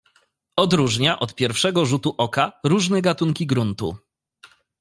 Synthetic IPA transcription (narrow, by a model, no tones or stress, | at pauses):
ɔd̪ɾuʐɲaʔɔt̪pʲjɛɾfʂɛɡɔʐut̪uʔɔkaɾuʐnɛɡat̪uŋkʲiɡɾunt̪ṵ